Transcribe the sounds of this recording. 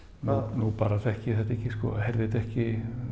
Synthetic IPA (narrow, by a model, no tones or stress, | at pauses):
nunupaɾaθɛhcɪθɛt̪ɛhcːɪskɔ̰hɛɾvɪt̪ɛhcɪ